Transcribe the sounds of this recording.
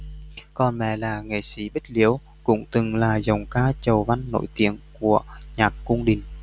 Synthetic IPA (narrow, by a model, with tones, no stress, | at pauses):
kɔ˨˩nmɛ̰˧˩laː˨˩ŋḛ˧˨˩si˨˦ɓi˦˥k̚li˨˦əw | kʊ̰˧˥ŋ͡mt̪ɨ˨˩ŋlaː˨˩zə˨˩wŋ͡mkaː˧t͡ɕə˨˩wva˧nːo̰˧˥jt̪i˨˦əŋku˧˩əɲaː˨˩kːʊ˧ŋ͡mɗï˨˩ŋ̟